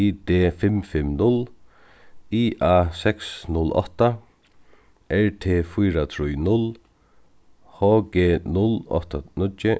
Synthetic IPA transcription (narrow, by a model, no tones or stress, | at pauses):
id̪eːfɪmfɪmnʊl | iʔaːsɛksnʊlɔ̰ht̪a | ʔɛɹt̪ʰeːfujɾat̪ʰɾujnʊl | hɔːɡeːnʊlɔ̰ht̪anʊt͡ʃːɪ